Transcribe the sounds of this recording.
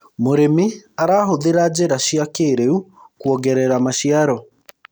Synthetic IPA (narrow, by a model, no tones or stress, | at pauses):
moɾemiaɾaːɦoðeɾad͡ʑeɾaʃiakeːɾeukwɔɣɛɾɛɾamaʃiaɾɔ